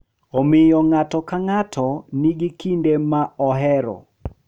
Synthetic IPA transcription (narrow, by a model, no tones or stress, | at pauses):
omɪjɔŋatɔkaŋatʰɔniɡikindemaɔɦɛɾɔ̰